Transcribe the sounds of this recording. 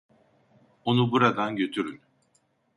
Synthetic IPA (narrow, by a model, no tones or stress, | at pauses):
o̞nubuɾad̪anɟø̞t̪ʰyɾyn